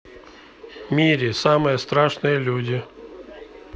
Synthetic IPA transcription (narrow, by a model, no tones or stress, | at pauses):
mʲiɾʲɪsamɨjəst̪ɾaʂnɨjəlʲudʲɪ